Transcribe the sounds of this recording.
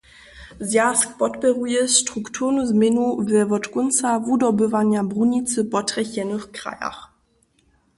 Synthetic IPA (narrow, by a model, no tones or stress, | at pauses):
zjaskpɔtpɛʁujɛstɾuktʰuʁnuzmʲjɛnuvɛvɔtkunsavudɔbɘvaɲjabʁuɲit̪t͡s̪ɘpɔtʁɛɕɛnɘxkɾa̰ja̰x